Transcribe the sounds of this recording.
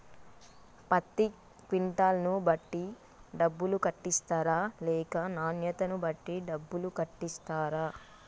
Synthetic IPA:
pɐt̪ːi | kʋiɳʈaːlɐnubɐʈːi | ɖɐbːulukɐʈːist̪aːɾaːlɛːkɐnaːnjɐt̪ɐnubɐʈːiɖɐbːulukɐʈːist̪aːɾaː

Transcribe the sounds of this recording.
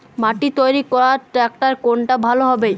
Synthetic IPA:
maʈit̪ojɾikɔɾaɾʈɾɛk̚ʈaɾkoɳʈabʱaloɦɔbe

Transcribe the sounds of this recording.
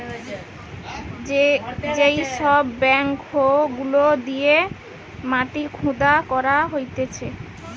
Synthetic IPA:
d͡ʑejʃɔbːɛŋkhoɡulod̪ije | maʈikʰũd̪akɔɾaɦojt̪et͡ɕʰe

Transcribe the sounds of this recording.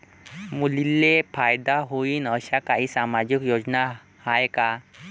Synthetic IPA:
mulilːefajd̪aɦoiːnəɕakaɦiːsamad͡ʑikjod͡zna | hajka

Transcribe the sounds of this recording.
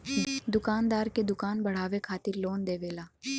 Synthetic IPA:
d̪ʊkaːnd̪aːɾked̪ʊkaːnbɐɽ̤aːʋekʰaːt̪ɪɾloːnd̪eːʋeːlaː

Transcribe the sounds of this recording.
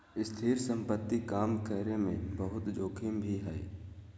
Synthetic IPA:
ɪst̪ʰiːɾsə̃mpət̪ːikaːmkɛːɾemẽbəɦʊt̪d͡ʒoːkʰɪmbʱiɦɛː

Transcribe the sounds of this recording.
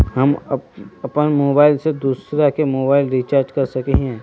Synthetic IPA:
ɦɐm | ɐpənmoːbaːɪlsed̪uːsɾakemoːbaːɪlɾit͡ʃaːɾd͡ʒkɐɾsɐkeɦɛ̃ː

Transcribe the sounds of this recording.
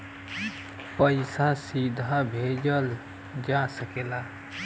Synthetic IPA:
pəɪsasid̪ʱabʱed͡ʒəl | d͡ʒasəkela

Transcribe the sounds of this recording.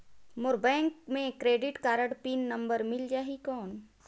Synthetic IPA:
moɾbɛ̃ːŋkmẽkɾeːɖɪʈkaːɾəɽpiːnːə̃mbəɾmɪld͡ʒaːɦikɔːn

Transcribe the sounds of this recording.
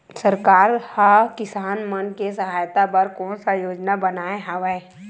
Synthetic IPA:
səɾkaːɾhakɪsaːnmənkesəɦaːjt̪apɐɾkɔːnsajoːd͡ʒnabɐnaːeɦaʋɛː

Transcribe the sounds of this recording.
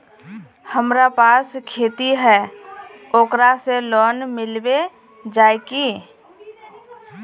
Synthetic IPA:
həmɾapaːskʰeːt̪iɦɛː | oːkɾaselɔːnmɪlbe | d͡ʒaːeki

